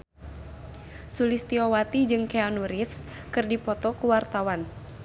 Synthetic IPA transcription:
sulist̪iɔwat̪id͡ʒɨŋkeanuɾifs | kɨrdipɔt̪ɔkuwart̪awan

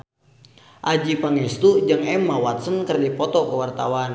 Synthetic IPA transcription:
ʔad͡ʒipaŋɛst̪ud͡ʒɨŋɛmːawat̪sənkərdipɔt̪ɔkəwart̪awan

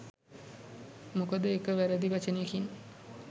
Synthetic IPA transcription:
mukəd̪əekəʋæɾəd̪iʋat͡ʃənejəkin

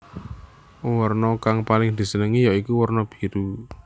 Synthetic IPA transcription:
wɔrnɔkaŋpalɪŋd̪̥i̤sənəŋijɔʔikuwɔrnɔb̥i̥̤ɾu

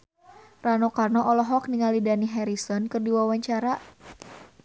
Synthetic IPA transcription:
ranokarnɔʔɔlɔɦɔkniŋalidaniɦɛɾisɔnkɨrdiwawaɲt͡ʃaɾa

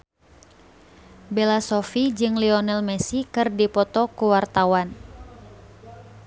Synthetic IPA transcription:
bɛlasɔfid͡ʒɨŋliɔnɛlmɛsikɨrdipɔt̪ɔkuwart̪awan

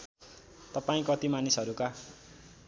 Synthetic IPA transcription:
t̪ʌpaĩkʌt̪imanisʌɾuka

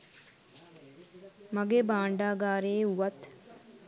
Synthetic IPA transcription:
maɡebaːɳɖaːɡaːɾeːuʋɐt̪

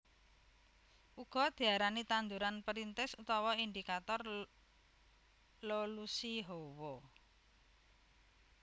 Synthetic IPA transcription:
ʔuɡ̥ɔ̤d̪̥i̤aɾanit̪and̪uɾanpəɾint̪ɛsut̪ɔwɔind̪ikat̪ɔr | lolusiɦowɔ

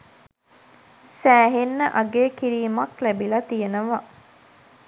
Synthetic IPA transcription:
sæːɦenːəʔɐɡeːkiɾiːmɐklæbilɐt̪ijenəʋɐ

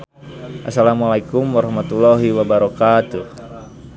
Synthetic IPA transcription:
ʔasalamalajkumwaɾɔhmat̪ulaɦiwabaɾɔkat̪uh

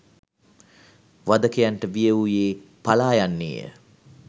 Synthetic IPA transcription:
ʋad̪əkejaɳʈəʋijəujeːpalaːjanːḭjə̰

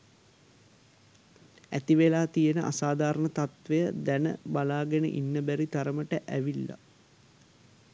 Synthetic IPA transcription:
æ̰t̪iʋelaːt̪ijənəʔa̰saːd̪aːɾənət̪at̪ʋejəd̪ænə̰balaːɡɛnə̰ʔḭnːəbæɾit̪aɾəməʈəʔæʋilːa̰

